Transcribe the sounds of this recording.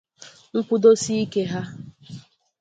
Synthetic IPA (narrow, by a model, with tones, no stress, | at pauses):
ŋ̩˦k͡pʊ˦do˦si˦i˦ke˦ɦa˦